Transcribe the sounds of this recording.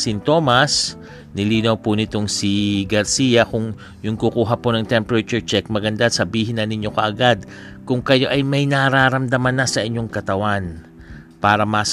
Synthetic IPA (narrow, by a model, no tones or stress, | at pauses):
sɪnt̪o̞ːmɐs | nɪliːnɐwpʊnɪt̪o̞ŋsiɡɐɾsiːjɐkʊŋ | jʊŋkukuːɦɐponɐŋt̪ɛmpɛɾɐt͡ʃʊɹt͡ʃɛk̚mɐɡɐnd̪asɐbiːɦɪnːɐnɪɲo̞kɐʔɐɡad̪̚ | kʊŋkɐjo̞ʔɐjmɐjnɐɾaːɾɐmd̪ɐmanːɐsɐʔɪɲːo̞ŋkɐt̪ɐwan | paːɾɐmas